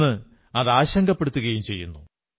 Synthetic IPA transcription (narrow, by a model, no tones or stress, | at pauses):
ɨ | ɐðaːɕɐŋɡɐpːeɽut̪ːuɣɐjumt͡ɕe̞jːunːu